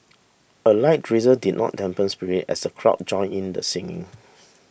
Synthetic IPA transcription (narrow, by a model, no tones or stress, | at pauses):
əlaɪt̚ɹizədid̚nʔɔ̰t̚dɛ̃mpə̃nspiɹitɛ̰səkʰɹɔ̰ʔ̚d͡ʒɔ̃ɪ̃nĩndə̰sɪ̃ŋɪ̰̃ŋ